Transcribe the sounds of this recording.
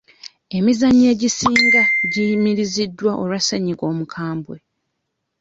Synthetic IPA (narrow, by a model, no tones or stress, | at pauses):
e̞mizaɲːe̞ːɟisiːŋɡaɟimiɾizidːwaʔolwaseɲiɡo̞ːmukʰaːmbwe̞